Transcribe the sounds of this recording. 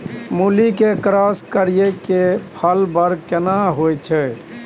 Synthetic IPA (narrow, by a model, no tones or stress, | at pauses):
mulikekɾaskəɾijekepʰəlbəɾkenaɦojt͡ʃʰɛ